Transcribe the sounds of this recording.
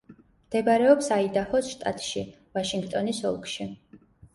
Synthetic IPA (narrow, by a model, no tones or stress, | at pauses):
md̪̥ɛbaɾɛɔpsaid̪ahɔsʃt̪ʼa̰t̪ʼʃi | vaʃiŋɡt̪ʼɔnisɔ̰lˠkʰʼʃi